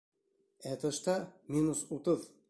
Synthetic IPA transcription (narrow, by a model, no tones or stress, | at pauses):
æt̪ə̆ʃt̪ɑmʲinusut̪ɤð